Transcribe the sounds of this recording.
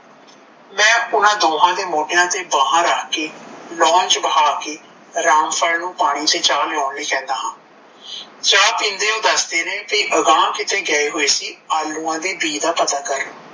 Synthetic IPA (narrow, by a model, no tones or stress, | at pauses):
mɛ̃ːʊnãːd̪oːɦãːd̪eːmoːɖejãːt̪eːbaːɦãːɾaːkeːlɔ̃ːnt͡ʃbəɦaːkeː | ɾaːmpʰəlnũːpaːɽ̃iːt̪eːt͡ʃaːlɪaːnliːkɛ̃ːnd̪aːɦãː | d͡ʒaːpɪnd̪eːõːd̪əsd̪eːnẽːpiʔəɡãːkɪt̪ʰeːɡɛːeːɦoːeːsiːaːlːũːãːd̪iːbiːd̪aːpət̪aːkəɾ